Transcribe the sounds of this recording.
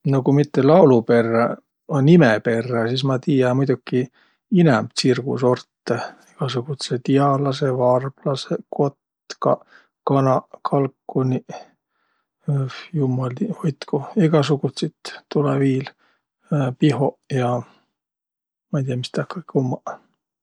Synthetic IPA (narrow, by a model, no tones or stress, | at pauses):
nokumit̪ːelɑwlupe̞rːɑ | onːimepe̞rːɑsis̬mɑt̪iːjɑmujd̪ukːi | inɛmb̪sirɡ̥ṵso̞rt̪ːeiɡ̥ɑsuɡ̥ut̪set̪iɑlɑsevɑrb̥lɑseko̞t̪ | kɑ | kɑnɑkʰɑlkːuni | jumːɑliojt̪koiɡɑsuɡut̪set̪t̪ːuleviːl | piɦo̞jɑ | mɑit̪ijɑmist̪ɑkːɑ̥kumːɑ